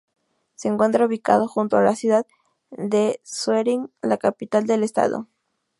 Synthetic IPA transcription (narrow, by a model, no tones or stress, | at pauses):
se̞eːŋkwe̞nt̪ɾauβika̰ðoxunt̪oalasjuðað | d̪esweɾiŋlakapit̪ald̪e̞lest̪a̰ðo̰